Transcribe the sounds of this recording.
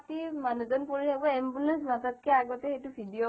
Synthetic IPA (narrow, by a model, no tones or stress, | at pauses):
timanuzɔnpoɹitʰakbɔembulɛnsmatat̚kʰɛaɡɔtɛxejtubʱidio